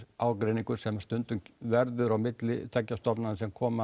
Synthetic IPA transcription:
aːwkɾejniŋkʏɾ̥sɛmḁst̪ʏnt̪ʏŋkvɛɾðʏɾawmɪt̪lɪ̰t̪ʰɛcːast̪ɔɾpnaðsɛmkʰɔːma

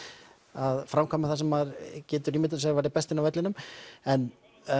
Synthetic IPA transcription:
aðfɾamkʰɔːmaθasɛmːaðɾcɛːt̪ʏɾimɪt̪s̬ɛɣaɾvajɾðɪpɛst̪ɪnawvɛt̪lɪnʏmɛn

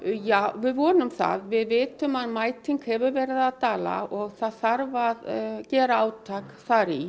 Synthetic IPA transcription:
jaːwvɪðvɔːnʏmθa̰ðvɪðvɪːt̪ʏmaðmaːjt̪ʰiŋkhɛvʏɾvɛːɾɪðaðt̪aːla̰ɔɣθaðθaɾvaðcɛːɾaaːwt̪ʰaːkθaɾi

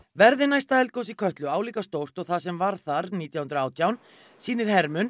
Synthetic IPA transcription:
vɛɾðɪnajst̪aɛlkowsikʰœht̪lʏaːwliːkast̪owr̥t̪ɔɣθasɛmvaɾ̥θaɾniːt̪jawhʏnt̪ɾʏaːwt̪ʰjawn | siːnɪɾ̥hɛɾmʏn

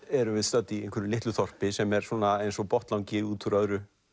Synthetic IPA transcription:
ɛɾʏvɪðst̪œːt̪ːiejnkʰvəɾʏlɪht̪lʏθɔr̥pɪsɛmɛɾ̥sɔːnaejnsɔpɔht̪lawŋcɪuːt̪ʰuɾœðɾʏ

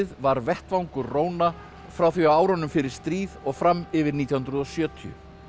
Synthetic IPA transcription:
ɪðvaɾvɛht̪vawŋkʏɾroːwna | fɾawθiawaːwɾɔnʏmfɪɾɪɾ̥st̪ɾiːðɔɣfɾamːɪvɪɾniːt̪jahʏnɾʏðɔsjœːt̪ʰiʏ̰

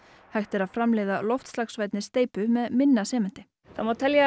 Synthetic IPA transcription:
hajxt̪ɪɾaðfɾamlɛːjðalɔwft̪slaxsvaːjt̪nɪst̪eːjpʏmɛðmɪnːasɛːmɪn̥t̪ɪ̥ | θamot̪ʰɛlja

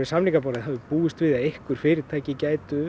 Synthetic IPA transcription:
ɪ̥samliŋkapɔːɾɪðɦavʏpuːɪst̪vɪðaðehkvʏɾ̥fɪːɾɪɾ̥t̪ʰaːjcɪcaːjt̪ʏ

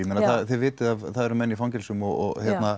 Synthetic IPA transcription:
imɛnaθaθɛðvɪːtt̪ɪðavθaðɛɾʏmɛnːifawncɛlsʏmɔɣɔ̰ɣhjɛt̪na

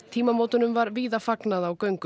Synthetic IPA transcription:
t̪ʰiːmamoːwt̪ʏnʏmvaɾviːðafaknaðawkœɥŋkʏ

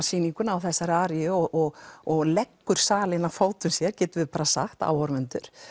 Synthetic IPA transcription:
siːniŋkʏnaːwθɛsːaɾaːɾjʏɔɣʔɔɣɔɣlɛkːʏɾ̥saːlɪnafoːwt̪ʏmsjɛɾ̥cɛːt̪ʏvɪðpaːɾasa̰xt̪a̰ːwɔɾmɛnt̪ʏɾ̥

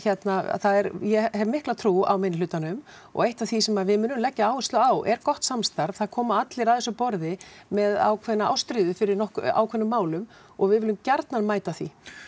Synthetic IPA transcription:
çɛt̪naθaðɛɾjɛhɛvmɪhklat̪ʰɾuːa̰wmeːnɪlʏːt̪ːanʏm | ɔ̰ɣejht̪avθisɛmavɪðmʏːnʏmlɛcːaaːwʏst̪lʏaːwʔɛɾkɔht̪samst̪aɾv̥θaðkʰɔːmaat̪lɪɾaðɛsːʏpɔɾðɪmɛða̰wkʰvɛnːaa̰wst̪ɾɪːðʏfɪɾɪɾnɔhka̰wkʰvɛnːʏmːaːwlʏm | ɔɣvɪðvɪlʏmcaɾt̪nanmaːjt̪aθi

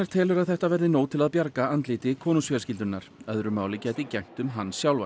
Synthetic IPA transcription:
ɛɾ̥t̪ʰɛːlʏɾaðθɛht̪avɛɾðɪnoːwt̪ʰɪlaðpjaɾkaant̪liːt̪ɪkʰɔːnusfœːɾascɪlt̪ʏnːaɾ̥œðɾʏmaːwlɪcɛːjt̪ɪcɛŋ̥t̪ʏmɦanːsjawlva

